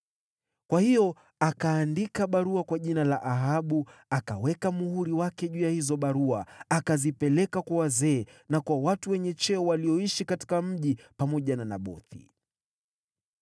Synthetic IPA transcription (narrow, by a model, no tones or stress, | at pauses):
kwahijɔ | akaːndikaɓaɾuakwaʄinalaʔaɦaɓuaka̰wɛkamuhuɾiwakɛʄujahizɔɓaɾuaakazipɛlɛkakwawazɛːnakwawatuwɛɲɛt͡ʃɛɔwaliɔiʃikati̥kam̩ʄipamɔʄanana̰ɓɔ̰θḭ